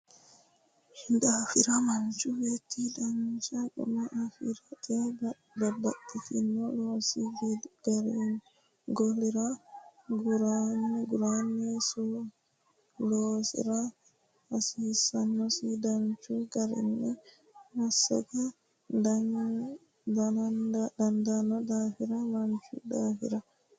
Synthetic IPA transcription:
hindafiɾamant͡ʃuwetʰːidand͡ʒaɗṵmaʔafiɾaɛ | babaɗːitinːɔlɔsiɡaɾi | ɡoliɾaɡuɾanɡuɾanɛsɔ | lɔsḭɾa | asisanːɔsidant͡ʃuɡaɾḭnːɛ | wasa̰ɡa | a | daadandanɔdafiɾalaɲt͡ʃṵdafḭɾa

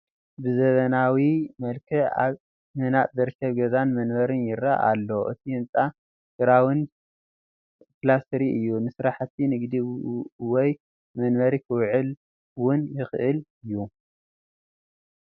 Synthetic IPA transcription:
bɨzɐβɐnawimɐlkʰɨa̰β | mɨnaʔzɨɾkʰːɐβɡɐzanmɐnβɐɾɨnjɪɾːa̰ʔa̰lːoʔɨ̰t̪ʰiɨnt͡sʼa | sɨɾawin | kɨlast̪ɾiɨjːunɨsɾaħt̪ʰinɨɡd̪iwɔj | mɐnbɐɾikʰɨwʕɨl | wʊnjɪxɨʔɨlɨjːu

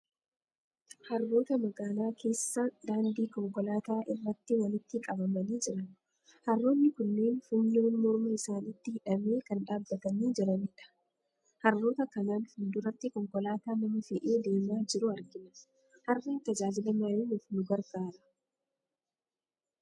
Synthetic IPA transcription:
hɐrːo̞ːt̪ɐmɐɡaːlaːkʰe̞ːsːad̪aːnd̪iːkɔŋkɔlaːt̪aːʔɪrːɐt̪ːɪwɐlɪt̪ːɪkʼɐbɐmɐniːd͡ʒɪɾɐn | hɐrːo̞ːnːɪkʊnːe̞ːnfʊnːoːnmɔɾmɐɪsaːnɪt̪ːɪhɪᶑɐmeːkɐnᶑaːbːɐt̪ɐniːd͡ʒɪɾɐnɪᶑɐ̥ | hɐrːo̞ːt̪ɐkɐnaːnhʊnd̪ʊɾɐt̪ːɪkɔŋkɔlaːt̪aːnɐmɐfɛʔeːd̪eːmaːd͡ʒɪɾʊɐɾɡɪnɐ | hɐrːeːnt̪ɐd͡ʒaːd͡ʒɪlɐmɐɾeːnʊfnʊɡɐɾɡaːɾɐ

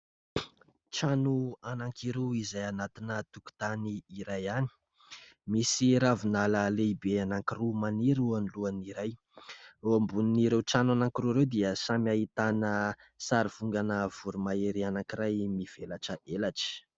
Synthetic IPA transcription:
ʈ͡ʂanuanaŋkʰiɾeizajanat̪inət̪uku̥t̪aniːɾajani̥ | misiɾavinaləleibeanaŋkirumaniɾuaniluaniɾaj | oambuniniɾewʈ͡ʂanuanaŋkiɾuɾewd̪iəsamiaɦit̪anə | saɾiv̥uŋɡanəv̥uɾumaeɾianaŋkiɾajmiv̥elaʈ͡ʂəʔelaʈ͡ʂi̥

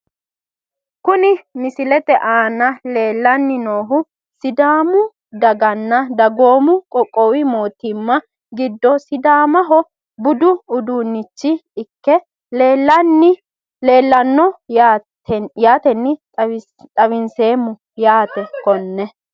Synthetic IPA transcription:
kʊnɪmɪsɪlɛt̪ɛʔaːnɐle̞ːlːɐnːɪno̞ːɦʊ | sɪd̪aːmʊ | d̪ɐɡɐnːɐd̪ɐɡo̞ːmʊkʼɔkʼːɔwɪmo̞ːt̪ɪmːɐ | ɡɪd̪ːɔsɪd̪aːmɐɦɔ | bʊd̪ʊːd̪uːnːɪt͡ʃːɪɪkːɛ | leːlːɐnːɪ | leːlːɐnːɔa | ɛjaːt̪ɛnːɪ | t̪ʼɐwɪnse̞ːmːʊ | jaːt̪ɛkɔnːɛ

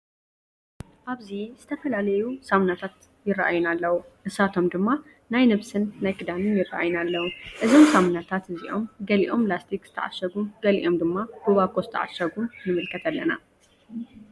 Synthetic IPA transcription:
ʔaβziz̥ɨt̪ʰɐfɐlalɐjusamnat̪ʰat̪ | jɪrːaʔa̰jːunalːɐwuʔɨsat̪ʰo̞md̪ɨmːa | najnɨβsɨnːajkʼɨd̪anɨnjɪra̰ʔa̰jnalːɐwuʔɨzo̞msamnat̪ʰat̪ɨziʔo̞mɡɐliʔo̞mlast̪ʰikz̥ɨt̪ʰɐ̰ʕa̰ʃːɐɡuɡɐlḭʔo̞md̪ɨmːab̥oβakʼozɨt̪ʰɐ̰ʕa̰ʃɐɡunːɨmɨlkʰɐt̪ʰalːɐna̰

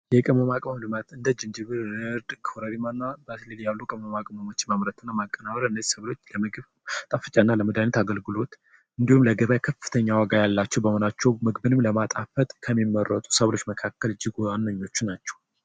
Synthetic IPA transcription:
jɛkʼəməmakʼmamlɨmat̪ɨnd̪əd͡ʒɨnd͡ʒɨβɨɾɨɾd̪kʰoɾəɾimanːabət̪lɨljalːukʼəməmakʼmamot͡ʃːɪmamɾət̪ʰɨnːamakʼːənaβəɾɨnːəzisəβlo̞t͡ʃːləmɨɡɨβ | t̪ʼafɨt͡ʃʼanːaləməd̪anət̪aɡəlɡɨlo̞t̪ | ʔɨnd̪ihumləɡəβajkʰəfɨt̪ʰəɲːawaɡajalːat͡ʃːɛwbəhonat͡ʃːɛwmɨɡbɨnɨmləmat̪ʼafət̪ʼkʰəmːimːərːət̪ʼu̥səβlo̞t͡ʃːməkʰakːəlɨd͡ʒːɪɡowanːəɲːo̞t͡ʃːunat͡ʃːɛw

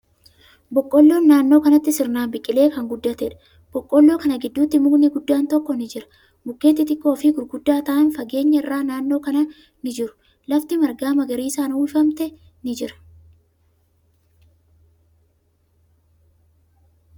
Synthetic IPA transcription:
bɔkʼːɔlːo̞ːnːaːnːoːkɐnɐt̪ːɪsɪɾnaːmbɪkʼːɪle̞ːkɐŋɡʊd̪ːɐt̪ɛᶑɐ̥ | b̥ɔkʼːɔlːo̞ːkɐnɐɡɪd̪ːuːt̪ːɪmuɡnɪɡʊd̪ːaːnt̪ɔkːɔnɪd͡ʒɪɾɐ̥ | mʊkːeːt̪ːɪt̪ɪkʼːo̞ːfɪɡʊɾɡʊd̪ːaːt̪ɐʔɐnfɐɡe̞ːɲːɐɪrːaːnaːnːo̞ːkɐnɐ | nɪd͡ʒɪɾʊ̥ | lɐft̪ɪmɐɾɡaːmɐɡɐɾiːsaːnuːʃɐmt̪ɛ | nɪd͡ʒɪɾɐ̥

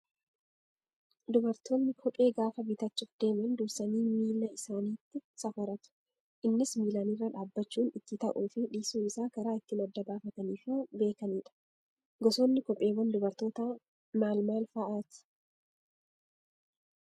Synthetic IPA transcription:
d̪ʊbɐɾt̪ʰoːnːɪkʰɔpʼe̞ːɡaːfɐbɪt̪ɐt͡ʃːɪfd̪e̞ːmɐnd̪ʊsɐniːmiːlːɐɪsaːniːt̪ːɪsɐfɐɾɐt̪ʊ̥ | ʔɪnːɪsmiːlaniːrːɐᶑaːbːɐt͡ʃːuːnɪt̪ːɪt̪ɐʔuːfɪᶑiːsuːɪsaːkɐɾaːɪt̪ːɪmɐd̪ːɐbaːfɐt̪ɐniːfuːbe̞ːkɐniːᶑɐ̥ | ɡɔsoːnːɪkɔpʼːe̞ːwɐnd̪ʊbɐɾt̪o̞ːt̪ɐ | maːlmaːlfɐʔaːt̪

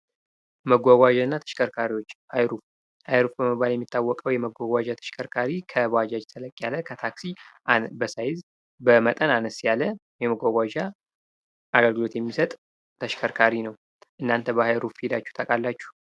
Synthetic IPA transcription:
məɡʷaɡʷaʒaɨnːat̪ʰə̥ʃkʰʼəɾkʰaɾiwo̞t͡ʃːhajɾuf | hajɾufbəmɨbːaljɛmːit̪ʰːawːɔkʼəwjɛməɡʷaɡʷad͡ʒat̪ʰə̥ʃkʰəɾkʰaɾikʰəbwad͡ʒad͡ʒt̪ʰələkʼjalːəkʰət̪ʰaksiʔanbəsajɪz | bəmət̪ʼənanəsjaləjɛməɡʷaɡʷad͡ʒa | ʔaɡəlɡɨlo̞t̪jɛmːisət̪ʼ | t̪ʰəʃkʰəɾkʰaɾinəw | ʔɨnːant̪ʰəbəhajɾufid̪at͡ʃːu̥ht̪ʰʼəkʼalːat͡ʃːu̥

